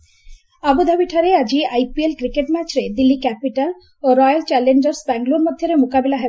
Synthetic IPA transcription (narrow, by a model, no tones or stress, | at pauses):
abod̪ʱabiʈʰaɾead͡ʑiajpielkɾikeʈmɛt͡ɕɾed̪ilːikɛpiʈal | oɾɔjalt͡ɕɛlend͡ʑaɾsbɛŋɡloɾmod̪ʱjoɾemokabelaɦe